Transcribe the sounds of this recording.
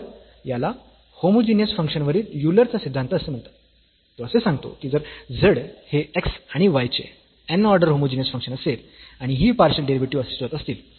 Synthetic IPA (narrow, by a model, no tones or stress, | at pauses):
jala | homod͡ʑinjəsfəŋkʂənʋəɾiːɾjuləɾt͡sasid̪ʱːãnt̪əsem̤əɳt̪ḁt̪ː | oəsesãŋɡt̪o̰kiːd͡zəɾd͡zəɽheeksaɽ̃iʋajt͡ɕḛ | enɔɾɖəɾɦomod͡ʑinjəsfəŋkʂənəselaɽ̃iɦiːpaɾɕəlɖeɾiʋeʈiəsi̥st̪ʋat̪əst̪iːl